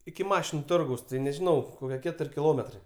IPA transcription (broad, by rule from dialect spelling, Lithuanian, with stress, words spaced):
ɪkʲɪ ˈmɑːʃʲɪnʊ ˈtoːrɡɐʊs tɐɪ nʲɛʒʲɪˈnɐʊ ˈkoːkʲiɛ ˈkʲæːtʊrʲ kʲɪˈlˠoːmʲɛtrɐɪ